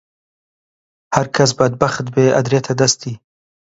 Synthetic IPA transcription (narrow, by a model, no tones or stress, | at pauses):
haɾkʰas̬bad̪̚baxt̪beːʔa̰d̪ɾet̪ʰad̪ast̪i